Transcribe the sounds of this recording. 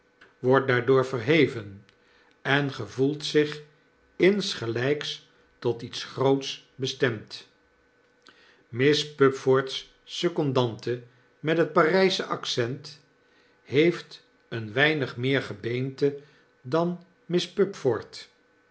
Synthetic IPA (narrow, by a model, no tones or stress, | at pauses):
ʋɔɹt̚daːɹdʊːɹvərɦejvən | ɛnχəvulˠtsɪχ | ɪnsχəlɛjks | tɔtitsχrowtsbəstɛmt | mɪspɵpfoːɹtsː | ɵkɔndɑntə | mɛtɦət̚parɛjsəʔɑksɛnt | hejft | ənʋɛjnəχmɪːɹχəbejntə | dɑn | mɪspɵpfɔɹt